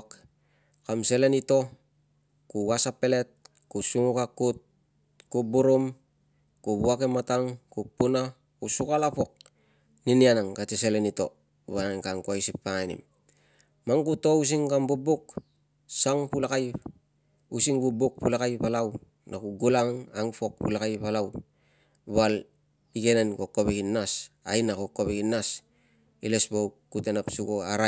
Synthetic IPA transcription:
k | kamselenito̞ | kuwasapele̞t̚ | kusuŋukakːut̚ | kubuɾom | kuβuakemataŋkupuna | kusukalapok̚ | ninianaŋkateselenito̞̰ | βanaŋkaŋkuajsipːaŋanḭm | maŋkuto̞us̬iŋkambubuk | saŋpulakaj | usiŋbubuk̚pulakajpalaw | nakuɡulaŋaŋpo̞k̚pulakajpalaw | βal | ike̞nenkokoβekinasa̰jnakokːoβekinas | ḭlesbowkutenapsuɡoaɾa

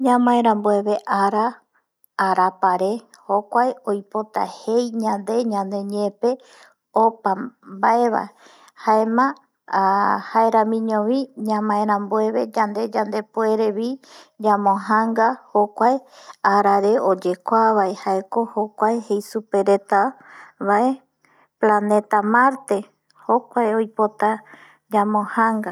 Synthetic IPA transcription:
ɲãmãẽɾãmbue̞βe̞ʔaɾa | aɾapaɾe̞ | ho̞kʷaeojpot̪a̰hejɲãnd̪e̞ɲãnd̪e̞ɲẽpe̞ | opambae̞βa̰e | haemã | haeɾãmĩɲõʋĩɲãmãẽɾ̃ãmbue̞βe̞d͡ʒand̪e̞d͡ʒand̪epue̞ɾe̞βid͡ʒãmõɦaŋɡahokʷaeaɾaɾe̞od͡ʒe̞kʷaβaehaeko̞hokʷaehejsupe̞ɾet̪aβae | plane̞t̪amaɾt̪e̞ | hokʷaeojpo̞t̪a | d͡ʒãmõhaŋɡa

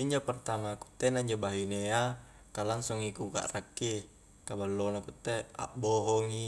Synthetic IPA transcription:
iɲd͡ʒopərt̪amaku̥t̪ːenaiɲd͡ʒobaɦinea | kalaŋsɔŋikuka̰ʔrakːi | kabalːonakut̪ːea̰ʔboɦɔŋi

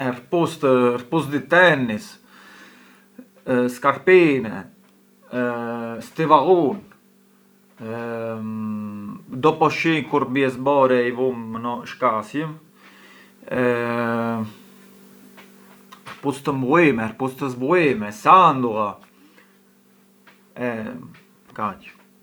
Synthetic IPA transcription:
ɛrpust̪rpusd̪it̪ɛnːis | skaɾpinɛ | st̪ivaɣun | d̪ɔpɔʃiŋkuɾbjɛsbɔɾɛivumːnɔʃkasjəm | ɛ | pust̪əmbuimɛɾpust̪əzbuimɛsand̪uʁa | ɛ | kat͡ʃ

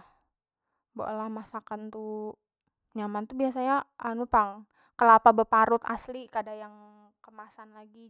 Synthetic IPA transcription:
bo̰ʔlahmasakant̪u | ɲamant̪ubiasaɲaanupaŋ | kəlapabəpaɾʊt̪a̰slikadajaŋ | kəmasanlaɡi

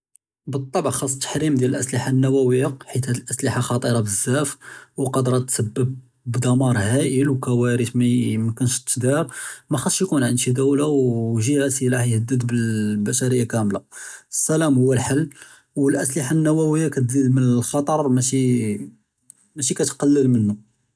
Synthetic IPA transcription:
bət̪ˤːɑbʕxɑsˤːt̪ːə̥ħɾimd̪jæləlʔəsliħanːæwæwəjːaħit̪hæd̪əlʔəsliħaxɑt̪ˤəɾˤɑbəzːæfwqɑd̪ɾˤɑt̪səbːəb̚ | bd̪ɑmɑɾˤhæʔəlwkæwæɾət̪mæmkənʃt̪ːd̪iɾmæxɑsʃjkunʕənd̪ʃid̪æwlawʒihæsilaħjhəd̪ːəd̪bəlbæʃæɾəjːakæmlaəsːælæmhʊwːəlħəlː | wəlʔæsliħanːæwæwəjːakæt̪d̪id̪mənəlxɑt̪ˤɑɾˤmæʃi | mæʃ̬ikæt̪qɑlːəlmənːu

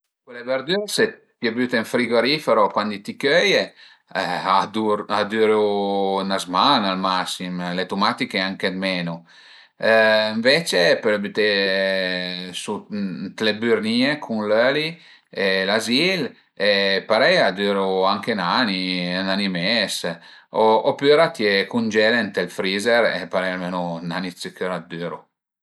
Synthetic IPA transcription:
kwelebeɾd̪yɾse | pjebyt̪eɱfɾiɡoɾifeɾokwand̪it̪ikøje | ad̪uɾad̪yɾunazmanalmasimlet̪umat̪ikeaŋked̪mɛnu | ɱvet͡ʃepɛɾbyt̪e | sut̪lebyɾniekʰunløli | elazil | epaɾɛjad̪yːɾuaŋkenaninanimɛsoopyɾat̪jekund͡ʒelent̪elfɾizeɾḛpaɾɛjalmeːnunanisikøɾad̪yɾṵ

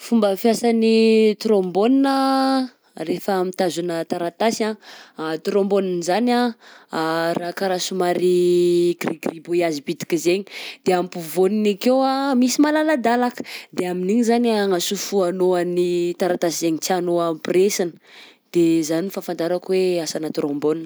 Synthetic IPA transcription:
fumbəfjasanit̪ɾomboninə | refəːmit̪azunət̪aɾat̪asat̪ɾomboninzana | rakaɾasumaɾiɡriɡribuiazibid̪i̥kizeɲid̪̥eampuvoninikeamisimalalad̪alakə̥d̪eaminiɲizanaŋasufuanoanit̪aɾat̪asizeɲit͡sianoampresanə̥d̪̥ezanifafand̪aɾakweasanət̪ɾomboninə

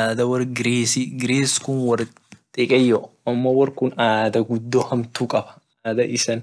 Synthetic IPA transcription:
aːd̪ɐwɐrɡɪɾeːsiɡɪɾeːskʊnwɐr | t̪ʼɪkʼɛjːɔ | ɐmːɔwɐrkʊnaːd̪ɐɡʊd̪ːohɐmt̪uːkʼɐbɐ̥ | aːd̪ɐʔɪsɐn

